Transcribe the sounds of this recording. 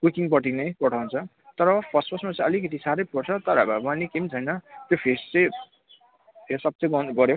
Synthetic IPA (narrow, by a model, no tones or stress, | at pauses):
kekiŋbʌʈinʌjpʌʈʰawnt͡sʰʌ | t̪ʌɾʌpʰʌspʌsmat͡sʌ̃ʌlikʌt̪isaɾʌjpʌrt͡sʰʌt̪ʌɾʌbabanikimit͡sʰʌjnʌt̪jopʰest͡sʌj | esʌb̚t͡sʌɡʌnɡʌɾjo